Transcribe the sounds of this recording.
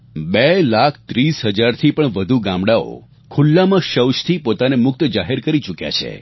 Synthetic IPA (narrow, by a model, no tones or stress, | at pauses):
belakʰt̪ɾisɦəd͡ʒaɾt̪ʰipəɳʋəd̪ʱuɡãmbɽao̰ | kʰulːamãʃəwʃt̪ʰipot̪anemʊk̚t̪d͡ʒaɦeɾkəɾit͡ʃukja̰t͡ʃʰḛ